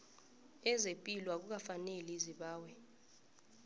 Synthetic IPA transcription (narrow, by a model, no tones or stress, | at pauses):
ɛzepʼilwak̬uk̬afaneliziɓaːwɛ